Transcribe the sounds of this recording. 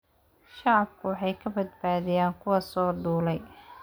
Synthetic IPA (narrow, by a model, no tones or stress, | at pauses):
ʃɑʕɑbkʰʊwɑħɑjkʰɐbɐd̪̚baːðɪjaːŋkʰʊwɐsɔːd̪uːlɛj